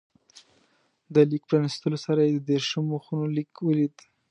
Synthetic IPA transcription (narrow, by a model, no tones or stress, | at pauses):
d̪əlikpɾɑnist̪əlosaɾajed̪əd̪eɾʃəmoxunolikwəlid̪